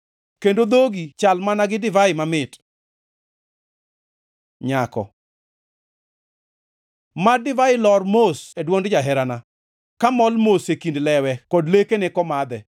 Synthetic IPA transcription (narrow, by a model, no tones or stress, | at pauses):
kendod̪oɡit͡ʃalmanaɡɪdɪvaɪmamɪt | ɲakɔ̰ | madɪvaɪlɔrmosedwɔŋdd͡ʒaɦɛɾana | kamɔlmosekindlɛwɛkɔdlekenɪkɔmad̪ɛ